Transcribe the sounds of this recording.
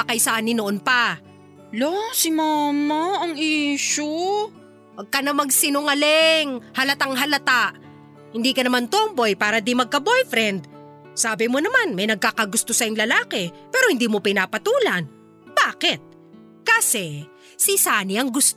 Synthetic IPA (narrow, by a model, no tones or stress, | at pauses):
ɐkɐjsɐʔaːnɪnoʔonpɐ | losɪmamaɐŋiːʃo | wɐɡ̚kɐnɐmɐɡsɪnʊŋɐlɛŋhɐlɐt̪aŋɦɐlɐt̪aʔ | hɪnd̪iːkɐnɐmant̪ombo̞jpaːɾɐd̪imɐɡ̚kɐbojfɾɛnd̪̚ | saːbɪmonɐmanmɐjnɐɡ̚kakɐɡʊst̪osɐjʊŋlɐlaːkɛpɛːɾo̞hɪnd̪iːmopɪnaːpɐt̪uːlɐn | baːkɪt̪̚ | kasɛ | sɪsaːniʔɐŋɡʊs